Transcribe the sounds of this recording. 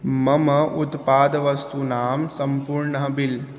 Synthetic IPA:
mɐmɐut̪paːd̪ʋɐst̪unaːmsɐmpuɾɳəɦbil

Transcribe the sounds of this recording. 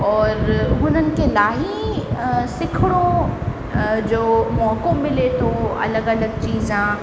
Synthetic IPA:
ɔːɾʊn̤ənɪ̆kelaːɦi | sɪkʰɽõ | d͡ʑoːmɔːkõmɪlet̪ʰoɐ̰ləɡɐləɡ̚t͡ʃiːzãː

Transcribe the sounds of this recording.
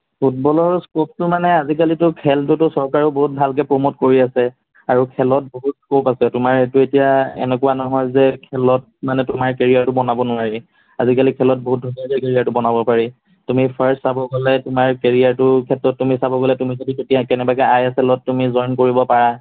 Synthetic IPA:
pʰut̚bɔlɔɹskop̚tʊmanɛazik̬alitʊkʰɛltutʊsɔɹkaɹʊboɦut̚bʱalkɛpɹomotkoɹiasɛ | aɹukʰɛlɔt̚boɦutskopasɛtʊmaɹetʊetijaɛ̰nɛkʊwanɔɦɔjzɛkʰɛlɔt̚manɛtʊmaɹkeɹijaɹtʊbɔnabɔnʊaɹi | azikalikʰɛlɔt̚boɦut̚dʱɔnɔɹkɛkeɹijaɹtʊbɔnabɔpaɹi | tumipʰaɹssabɔɡɔlɛtʊmaɹkeɹijaɹtʊkʰɛtːɹɔtːumisabɔɡɔlɛtʊmizodiketijakɛnɛbakɛajasɛlɔtːumizɔjnkoɹibɔpaɹa

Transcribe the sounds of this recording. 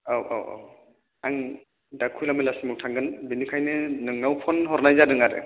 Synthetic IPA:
awʔa̰wa̰w | aŋ | dakʰujlamɯlasimuwtʰaŋɡɯnbinikʰajnɯnɯŋnawpʰɔnɦɔɾnajzadɯŋaɾɯ̰

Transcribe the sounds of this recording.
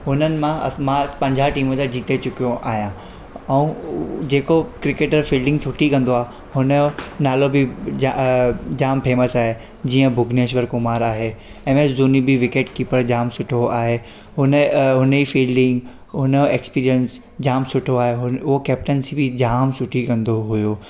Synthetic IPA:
ɦʊnənɪ̆mãmãpɐ̃ɲd͡ʑʱaʈiːmõt̪ad͡ʑiːt̪et͡ɕʊkijoʔa̰ːɦjãː | ɛ̃ũd͡ʑeːkokɾɪkeːʈəɾfiːlɖɪ̃ŋɡsʊʈʰikɐ̃nd̪oaːɦ | hʊnənaːlobʱɪd͡ʑad͡ʑaːmpʰeːməsaːɦe | d͡ʑiːə̃bʱʊɡʱneːʃ̬ʋəɾkʊmaːɾaːɦe | ɛ̃ːmẽzuːnibiʋɪkeːʈkipəɽd͡ʑaːmsʊʈʰoaːɦe | ɦʊnəɦʊnifiːlɖɪ̃ŋɡ | ɦʊnəekspiːɾijəns | d͡ʑaːmsʊʈʰoaːɦeɦʊnʊɦokɛːp̚ʈənsibʱid͡ʑaːmsʊʈʰikɐ̃nd̪oɦʊjoː

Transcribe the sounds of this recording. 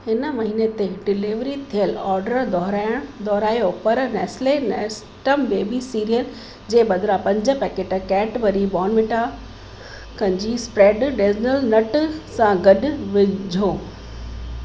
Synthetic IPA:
ɦɪnəmɐɦiːnet̪eɖɪliʋɾit̪ʰijəlɔːɾɖəɾd̪ɔːɦɾaːɪəɽ̃d̪ʱɔːɾaːjopɐɾnɛːslenɛːs | ʈəmbeːbisiːɾijəl | d͡ʑeːbɐd̪ʱɾapɐ̃ɲd͡ʑə̆pɛkeːʈkɛːʈʋɐɾibɔːnʋɪʈʰa | kɐ̃ɲd͡ʑispɾeːɖɖed͡ʑnəlnɐʈsãɡɐɗʋɪd͡ʑʱoː

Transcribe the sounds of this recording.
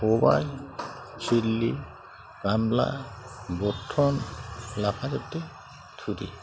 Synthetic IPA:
oba̰j | t͡ʃʰilːi | ɾamla̰bɔtʰːɔnlapʰatet̪ːe | t̪ʰudḭ

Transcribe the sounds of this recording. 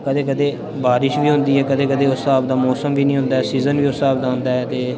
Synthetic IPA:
kəd̪eːkəd̪eː | baːɾɪʃʋiːɦʊ̃nd̪iːɦɛːkəd̪eːkəd̪eːʊsaːb̚d̪aːmɔːsəmʋiːnĩːɦʊ̃nd̪aːɛːsiːzənʋiːʊsaːb̚d̪aːɦʊ̃nd̪aːɛːt̪eː

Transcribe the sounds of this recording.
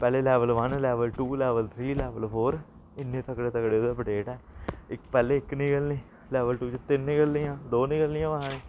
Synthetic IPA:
pɛːleːlɛːʋəlʋənlɛːʋəlʈuːlɛːʋəlt̪ʰɾiːlɛːʋəlpʰoːɾ | ɪnːẽːt̪əkɽeːt̪əkɽeːʊd̪aːpəʈeːʈɛːɪkpɛːleːɪknĩːɡəlnĩː | lɛːʋəlʈuːt͡ʃt̪ɪnːĩːɡəlːijãːd̪oːnĩːɡəlːɪjãːʋəɦãːniː

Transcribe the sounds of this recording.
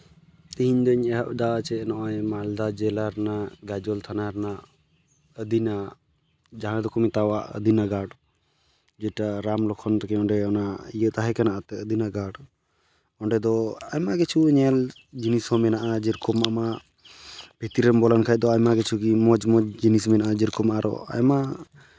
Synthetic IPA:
t̪iɦiɲd̪ɔɲɛɦaʔd̪at͡ʃɛnɔʔaɛmald̪ad͡ʒɛlaɾnaɡad͡ʒɔlt̪ʰanaɾnaʔ | əd̪ina | d͡ʒaɦãd̪ɔkɔmit̪awaʔə̰d̪ʱinaɡaɖ | d͡ʒɛʈaɾamlɔkʰɔnt̪ɔkɛɔɳɖɛɔnaijət̪aɦɛkanaʔat̪ɛəd̪inaɡaɖ | ɔɳɖɛd̪ɔajmaɡɛt͡ʃʰuɲɛl | d͡ʒinisɔmɛnaʔad͡ʒɛɾkɔmama | b̥ʱit̪iɾɛmbɔlankʰaj̚d̪ɔajmaɡɛt͡ʃʰukimɔd͡ʒmɔd͡ʒd͡ʒinismɛnaʔad͡ʒɛɾkɔmaʔaɾɔ̰a̰jma

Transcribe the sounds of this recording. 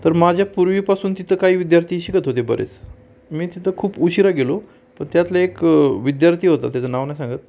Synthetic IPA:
t̪əɾmad͡ʑʱjapuɾʋiːpasuːnt̪it̪ʰəkaɦiːʋid̪jaɾt̪ʰiːɕikət̪ɦot̪̬ebəɾʔḛt͡s | miːt̪it̪ʰəkʰuːpuɕiɾaɡelo | pəɳt̪jat̪laekʋid̪jaɾt̪ʰiːɦot̪a̰t̪jat͡sənaʋnjasãŋɡət̪̚

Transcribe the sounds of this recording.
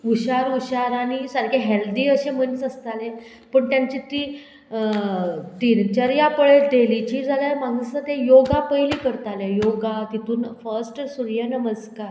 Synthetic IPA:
uɕaɾuɕaɾanisəɾkʰeɦeld̪iːəɕem̤ənt͡səst̪ale | pəɳt̪jaɲt͡ɕit̪iː | t̪iːnt͡ɕəɾjapəɭed̪elit͡ɕiːd͡zʱaljaɾmãŋɡəət̪ejoɡapəjliːkəɾt̪alejoɡat̪it̪uːnfəɾsʈsuɾjənəməskaɾ

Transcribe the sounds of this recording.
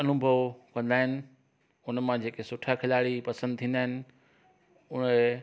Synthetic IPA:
ɐnʊbʱəʋkɐ̃nd̪aːɦɪnɪ̆ | ʊnmãd͡ʑeːkesʊʈʰakʰɪlaːɽipɐsə̃nd̪̚t̪ʰĩːnd̪aːɦɪnɪ̆ | ʊn

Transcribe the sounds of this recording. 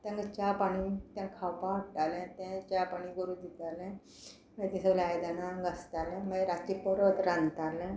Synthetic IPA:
t̪ãŋɡət͡ɕapaɽ̃it̪jãkʰawpaəʈalɛ̃t̪ɛ̃t͡ɕapaɽ̃iɡuɾuːd̪it̪alɛ̃ | met̪ɛ̃səlajd̪anaŋɡəst̪alɛ̃mãɾat͡ɕipɔɾot̪ɾãnt̪alɛ̃

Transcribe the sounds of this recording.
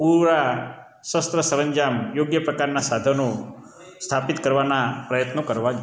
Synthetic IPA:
puɾa | səst̪ɾəsəɾəɲd͡ʒamjoɡjəpɾəkaɾnasad̪ʱəno | st̪ʰapit̪kəɾʋanapɾəjət̪nokəɾʋad͡ʒ

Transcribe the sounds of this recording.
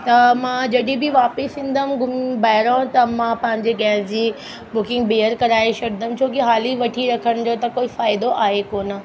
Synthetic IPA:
t̪ɐmãd͡ʑɐɗĩbɪʋaːpɪsĩːn̆d̪əmɡʊmbaːɦɪɾõt̪ɐmãpɐ̃ɦɪ̃ɲd͡ʑeɡɛːsd͡ʑiː | bʊkɪ̃ŋɡbeːəɾkɐɾaːeʃɐɾd̪əm̆t͡ɕʰoːkiɦaːliʋɐʈʰiɾɐkʰəɽ̃d͡ʑot̪ɐkoːifaːɪd̪oʔaːɦekoːnə

